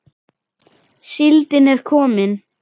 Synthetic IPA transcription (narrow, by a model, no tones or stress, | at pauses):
sɪlt̪ɪnɛɾ̥kʰɔːmɪn